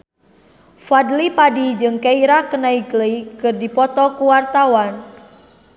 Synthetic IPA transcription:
fadlipadid͡ʒɨŋkeiɾahkənaiɡləkɨrdipɔt̪ɔkuwart̪awan

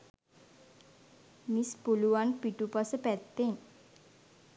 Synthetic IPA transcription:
mispuluwanpiʈupasəpɛt̪ːen

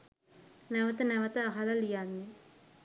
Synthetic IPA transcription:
næʋət̪ənæʋət̪əaɦaləlijanːe

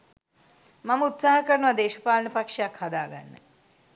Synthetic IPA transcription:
maməut̪saːɦəkəɾənuʋad̪eːʃəpaːlɐnəpakʂejakhad̪aːɡa̰nːə̰

